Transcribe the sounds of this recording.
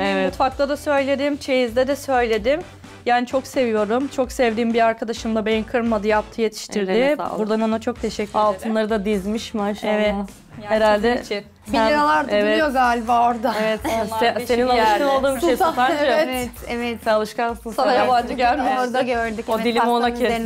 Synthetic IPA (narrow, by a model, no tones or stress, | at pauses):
evt̪fakt̪ʰˠad̪asø̞jlʲe̞d̪imt͡ʃʰe̞jizd̪ɛd̪ɛsø̞jlʲe̞d̪im | jaːnit͡ʃʰo̞kse̞vijo̞ɾumt͡ʃʰo̞ksɛvd̪iːmbiaɾkʰad̪aʃɯmd̪ˠabeninkʰɯɾmad̪ɯjap̚t̪ʰɯje̞t̪ʰi̥ʃt̪ʰiɾd̪ɪuɾd̪ano̞nat͡ʃʰo̞k̚t̪ʰe̞ʃɛcʰʲːyalˠt̪ʰɯnlˠaɾɯd̪ad̪izmiʃmɪʃɛvɛt̪ | heɾalʲd̪ɛ | ilʲaɾalˠaɾd̪evjozalʲvooɾd̪ɯevɛt̪ɛseninalˠɯʃɯnolˠd̪ɯːmʃaned͡ʒɛɛɛt̪ɛvɛt̪sɛalˠɯʃkankuajaband͡ʒɯɟælʲmeɾd̪aøɾd̪iod̪ilʲimonae